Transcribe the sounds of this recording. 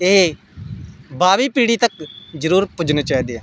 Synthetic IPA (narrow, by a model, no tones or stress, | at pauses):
eː | baːʋiːpiːɽiːt̪əkd͡ʒəɾuːɾpʊd͡ʒneːt͡ʃaːiːd̪eːaː